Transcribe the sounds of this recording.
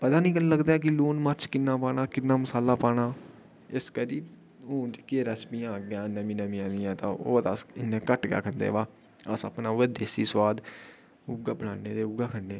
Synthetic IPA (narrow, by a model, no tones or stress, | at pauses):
pəd̪aːnĩːkəlləɡd̪aːk̬ɪluːnməɾt͡ʃʰkɪnːãːpaːɽaːkɪnːaːməsaːlaːpaːɳaː | ɪskəɾiː | õːt͡ʃkeɾəsmiːãːɡjãːnəmĩːnəmĩːãːnd̪ɪjãːt̪ãːo̰ːt̪asɪnːẽːkəʈɡea̰ːkʰənd̪ḛːʋaː | əsə̰pnãːʋəːd̪eːsiːswaːd̪ | ʊɡaːbəna̰ːneːd̪eːʊɡaːkʰəɳːeː